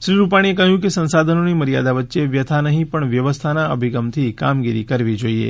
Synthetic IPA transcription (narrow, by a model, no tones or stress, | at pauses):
ʃɾiɾupaɽ̃iekəɦjũkesə̃nsad̪ʱənoniməɾija̰d̪aʋətːʃeʋjət̪ʰanəɦĩpəɳʋjəʋəst̪ʰanaə̰bʱiɡəmt̪ʰikamɡiɾḭkəɾʋid͡ʒoiḛ